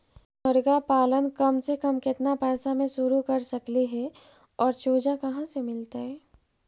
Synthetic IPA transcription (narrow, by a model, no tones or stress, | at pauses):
bɐɾɡapaːlənkɐmsekɐmkɪt̪napɛːsamẽʃʊɾukɐɾsɐkliɦɛ | ɔːɾt͡ʃoːd͡ʒakɐɦãsemɪlt̪aɦɛː